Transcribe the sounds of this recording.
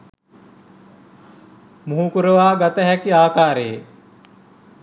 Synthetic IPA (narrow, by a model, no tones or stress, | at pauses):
muɦukuɾəʋaːɡat̪əɦækiaːkaːɾeje